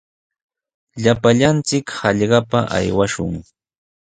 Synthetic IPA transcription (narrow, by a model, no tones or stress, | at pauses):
ʎapaʎant͡sɪkhɑʎɢɑpaʔa̰jwaʃʊ̰ŋ